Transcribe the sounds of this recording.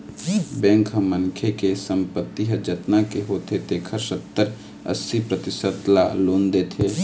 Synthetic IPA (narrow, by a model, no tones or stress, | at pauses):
bɛ̃ŋkʰɦəmənkʰekesəmpət̪ːiɦəd͡ʒət̪nakeɦot̪ʰet̪ekʰəɾsət̪ːəɾ | ə̰sipɾət̪ɪsət̪lalond̪et̪ʰe